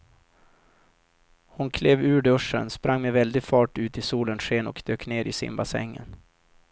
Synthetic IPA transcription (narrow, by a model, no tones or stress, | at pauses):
hʊnkʰleːvʉ̟ːɖɵʂə̰nspɾaŋːmɛvɛld̪ɪɡfɑːʈʉ̟ːt̪ɪsuːlənʂeːnɔkd̪̥øːkneːɾɪsɪ̰mbasɛ̰ŋːə̰n